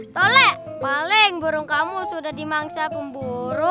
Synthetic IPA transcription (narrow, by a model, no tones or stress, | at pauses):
t̪ɔlɛʔ | palɪŋbuɾʊŋkamusudahdimaŋsapəmbuɾʊ